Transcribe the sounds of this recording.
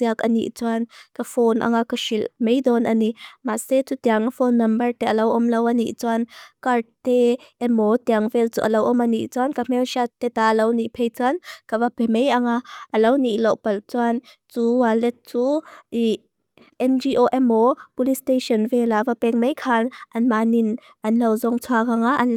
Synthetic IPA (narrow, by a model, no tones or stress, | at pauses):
t͡siakɐnḭʔt͡suankafonʔa̰ŋakaʃilmejd̪ɔnʔanimaset͡sut̪iaŋafonːɐmbɐɾt̪ɛɐlɐwʔɔmlɐwɐniʔt͡suankaɾteʔɛmɔt̪iaŋvɛlt͡suʔɐlɐwʔɔmɐniʔt͡suankam̥ɛwʃat̪ɛt̪alɐwniʔpʰejt͡sankavapɛmejaŋaʔɐlɐwniʔlɔwpɐlt͡suan | t͡suwalɛt̪̚t͡sui | ɛnd͡ʒiʔoʔɛmɔpulisteʃɔnvɛlavapɛŋ̚mejkʰanʔɐnmanin | ʔɐnlɐwzɔŋt͡sʰuakaŋaʔɐn